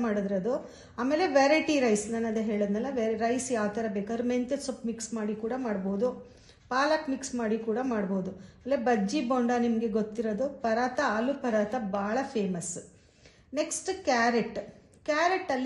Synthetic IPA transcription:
maːɽud̪iɾɐd̪u | aːme̞ːleʋeɾɐjʈiɾɐjsnɐnːɐd̪ɐɦeːɭɐd̪nɐlːɐʋɾɐjsjaːʋt̪ɐɾɐbeːkaːd̪ɾument̪esopmiksmaːɽikuːɽɐmaːɽboːd̪u | paːlaʈmiksmaːɽikuːɽɐmaːɽbo̞ːd̪uɐɾebɐd͡ʒːiboːɳɖaːnimɐɡe̞ɡot̪ːiɾɐd̪upɐɾaːt̪ɐɐlupɐɾaːt̪ɐbaːɭɐpʰeːmɐs | neksʈkaːɾeʈː | kjaːɾeʈːɐlː

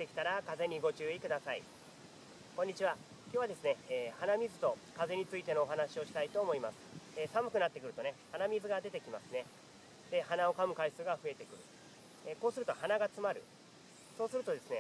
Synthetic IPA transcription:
t̪ːe̞kʲi̥t̪aɾakaze̞ɲ̟iɡo̞t͡ɕɨːikɯ̟d̪asaḭ | koɲ̟ːit͡ɕiβa | kʲjo̞ːβad̪e̞sɨne̞ːhanamʲizɨt̪o̞kaze̞ɲ̟it͡sɨit̪e̞no̞ːɦanaɕio̞ɕi̥t̪ait̪o̞ːmo̞imasɨ̥eːsamɯ̟kɯ̟nat̪ːe̞kɯ̟ɾɯ̟t̪o̞ne̞hanamʲizɨɡad̪e̞t̪e̞kʲimasɨne̞ | d̪̥e̞hanao̞kamɯ̟kaisɨːɡaɸɯ̟e̞t̪e̞kɯ̟ɾɯ̟ | eko̞ːsɨɾɯ̟t̪o̞hanaɡat͡sɨmaɾɯ̟̰ | so̞ːsɨɾɯ̟t̪o̞d̪e̞sɨne̞

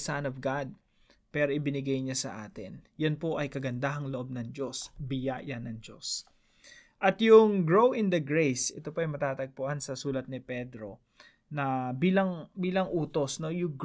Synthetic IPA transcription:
sanɔvɡad̪̚ | pɛːɾoʔɪbɪnɪɡajɲasɐʔaːt̪ɪnjɐnpo̞ʔɐjkɐɡɐnd̪aːɦɐŋloʔo̞b̚nɐŋd͡ʒo̞sbɪjajanɐŋd͡ʒo̞̰s | ʔɐt̪jʊŋɡɹowɪ̃nd̪ɐɡɹejsʔɛ̰t̪o̞poɐjmɐt̪aːt̪ɐɡ̚pʊʔansɐsuːlɐt̪̚nɪpɛd̪ɾo̞ | nɐbiːlɐŋbiːlɐŋʔuːt̪o̞sno̞jʊŋɡ

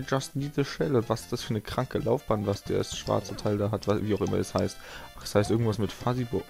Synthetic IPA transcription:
əd͡ʒastniːzəʃɛləʊntv̥asɪ̥std̥asfyːɐnəkʁ̥aŋkəlaʊfb̥aːntvasd̥eːɐdɛsʃv̥a̰ɐt͡sətʰaɪldaːɦatvaviːaʊxʔɪmɐ̰ɛ̰shaɪstʔaχɛ̥shaɪstʔɪɐɡŋ̩tv̥asmɪtfazibʊ

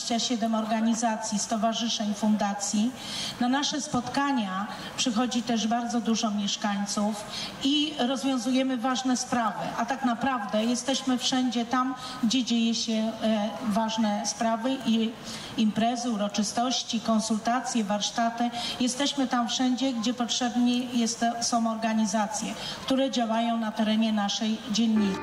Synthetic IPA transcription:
t͡ɕaɕɛd̪ɛmɔɾɡaɲizat̪sʲjist̪ɔvaʐɘʂɛɲfund̪at̪sʲji | nanaʂɛspɔt̪kaɲa | pʂɘxɔd͡ʑit̪ɛʐbaɾd̪zɔd̪uʐɔmʲjɛʂkaɲt̪suf | iɾɔzvʲjɔ̃w̃zujɛmɘvaʐnɛspɾavɘ̰ʔat̪aknapɾavd̪ɛjɛst̪ɛɕmɘfʂɛɲd͡ʑɛt̪am | ɡd͡ʑɛd͡ʑejɛɕɛ | vaʐnɛspɾavɘʔi | impɾɛzɘuɾɔt͡ʂɘst̪ɔɕt͡ɕikɔnsult̪at̪sʲjɛvaɾʂt̪at̪ɘjɛst̪ɛɕmɘt̪amfʂɛɲd͡ʑɛɡd͡ʑɛpɔtʂɛbɲɛjɛst̪sɔ̃w̃ɔɾɡaɲizat̪sʲjɛ | kt̪uɾɛd͡ʑawajɔ̃w̃nat̪ɛɾɛɲɛnaʂɛjd͡ʑɛnːi

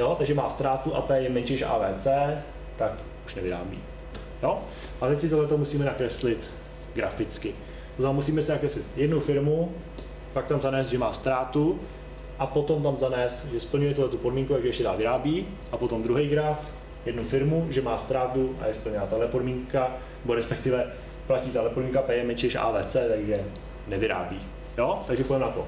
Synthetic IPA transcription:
jo̞t̪aɡʒɛma̰ːst̪ɾaːt̪uʔa̰t̪ɛːjɛmɛɲt͡ʃɪʃʔa̰ːvɛːt͡sɛː | t̪ak | ʔuʃnɛvɪɾa̰ːbḭː | jo | ʔat̪ɛcskɪt̪oɦlɛt̪omusiːmɛnakɾɛslɪt̪ | ɡɾa̰fɪt͡skɪ | pozamus̬iːmɛsɪnakɾɛslɪt̪jɛdnufɪɾmu | pak̚t̪amzanɛːsd̪ʒɛmaːst̪ɾaːt̪u | ʔapo̞t̪o̞mt̪amzanɛːst̪ʒɛspl̩ɲujɛt̪uhlɛt̪upodmiːŋkut̪aɡʒɛɛʃcɛdaːvɪɾaːbiː | ʔapo̞t̪o̞md̪ɾuɦejɡɾaf | jɛdnufɪɾmuʒɛmaːst̪ɾaːt̪uʔa̰jɛsplɲɛnat̪adlɛpodmiːŋka | nɛbo̞ɾɛspɛk̚t̪ɪvɛ | placiːt̪alɛpodmiŋkapɛjɛmɛt͡ʃɪʃʔa̰ːvɛːt͡sɛːt̪aɡʒɛ | nɛvɪɾa̰ːbiː | jot̪aɡʒɛpojɛmɛnat̪o

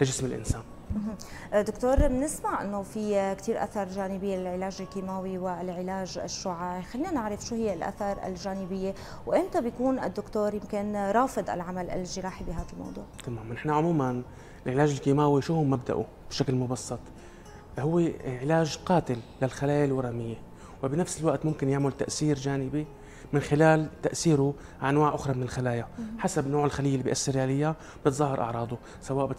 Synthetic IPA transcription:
lɪʒɪsmɪlʔɪ̰nsaːn | mɦ̩ | d̪ʊkt̪oːɾˤmnɪsmaʕʔɪ̰nːofikt̪iːɾʔa̰θɑɾˤʒaːnɪbɪjːelɪlʕɪlaːʒɪlkiːmaːwiwɪlʕɪlaːʒɪ̰ʃːʊʕaʕixalːiːnanɪʕɾɪfʃuːhɪjːelʔa̰θɑɾˤʔɪ̰lʒaːnɪbɪjːe | wʔɪnt̪abjakuːnʔɪd̪ːʊkt̪oːɾjɪmkɪnɾˤɑːfɨd̪ˤʔɪ̰lʕamalʔɪ̰lːʒɪɾˤɑːħibɪɦaːd̪almɑ̰wd̪ˤṵːʕt̪amaːmnɪħnaʕʊmuːman | ɪlʕɪlaːʒɪlkiːmaːwiʃʊhʊmːab̚d̪a̰ʔṵ | b̥ʃaklmʊbɑsˤːɑt̪ˤ | hʊwːeʕɪlaːʒqɑːt̪ɪlːalxalaːjalwɑɾˤɑmɪjːe | wɪbnafsɪlwaʔt̪mʊmkɪnjaʕmalt̪aʔsiːɾd͡ʒaːnɪbi | mɪnxɪlaːlt̪aʔsiːɾʊ | ʔanwaːʕʔʊxɾˤɑmɪnɪlxalaːjaħasabnoːʕɪlxalijːalːibijʔasːɪɾʕalajːa | b̥ɪt̪zˤɑɦːɑɾˤʔɑ̰ʕɾˤɑːd̪ʊ | sawaːʔbɪ

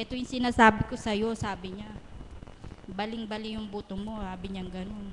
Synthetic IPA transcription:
ʔɛt̪o̞jʊŋsɪnaːsaːbɪko̞sɐjo̞saːbɪɲa | bɐlɪŋbɐlɪjʊŋbuːt̪oŋmo̞haːbɪɲɐŋɡɐno̞n

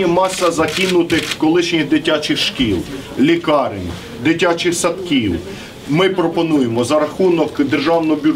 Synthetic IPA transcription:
imɑsɐzɐkʲinʊt̪ɪxkɔlˠɪʃnʲid̪ɪtʲat͡ʃɪxʃkʲilˠ | lʲikɑɾɪnʲ | d̪ɪtʲat͡ʃɪxsɐt̪kʲiw | mɪpɾɔpɔnujemɔzɐɾɐxunɔkd̪erʒɑwnɔɔbʲʊ

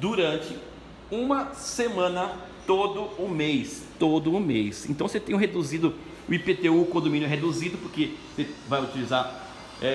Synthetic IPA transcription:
d̪uɾɐ̃nt͡ʃɪ | ũmɐsemɐ̃nɐ | t̪od̪ʊʊmejst̪od̪ʊːmejsẽt̪ɐ̃w̃set̪ẽj̃ɦed̪uzid̪ʊ | ʊipet̪eukõd̪omĩnʊɛɦed̪uzid̪ʊpʊɾkesevajʊt͡ʃilizaɾ | ɛ

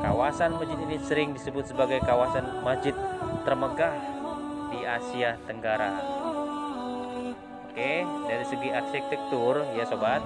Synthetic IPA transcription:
ka̰wasanmasd͡ʒit̪inisəɾɪŋdisəbʊt̪̚səbaɡajkawasanmasd͡ʒɪt̪̚ːərməɡahdiasiat̪əŋɡaɾa | okedaɾisəɡiʔaksɛk̚t̪ɛk̚t̪ʊrjasobat̪̚

